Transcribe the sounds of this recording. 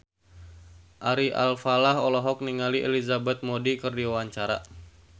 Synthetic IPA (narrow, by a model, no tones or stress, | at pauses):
ʔaɾiʔa̰lfalaɦɔlɔɦɔk̚niŋaliʔḛlizabɛt̪̚modikɨrdiwawaɲt͡ʃaɾa